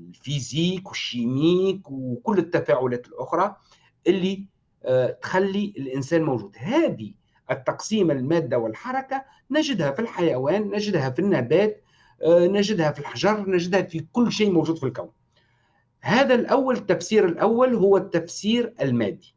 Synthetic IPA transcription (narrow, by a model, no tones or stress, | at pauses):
lfiziːkwɪʃːiːmiːkwkʊlːɪt̪ːafaːʕʊlæːt̪ɪlʔʊxɾˤɑ | ʔɪlːi | t̪xalːiʔɪlʔɪnsæːnmowʒuːd̪hæːd̪i | ʔɪt̪ːɑqsiːmɪlmæːd̪ːawɪlħɑɾˤɑka | næʒɪd̪hæfilħajawæːnːæʒɪd̪hæfinːæːbæːt̪ | næʒɪd̪hæfilħʒɑɾˤnæʒɪd̪hæfikʊlːʃiːʔmowʒuːd̪filkawn | hæːðælʔawːalɪt̪ːafsiːɾɪlʔawːalɦʊwːæt̪ːafsiːɾɪlmæːd̪ːi̥